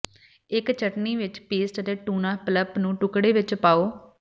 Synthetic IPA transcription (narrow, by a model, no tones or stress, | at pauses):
ɪkt͡ʃəʈniːʋɪt͡ʃpeːsʈət̪eːʈuːnãːpləpnũːʈʊkɽeːʋɪt͡ʃpaːoː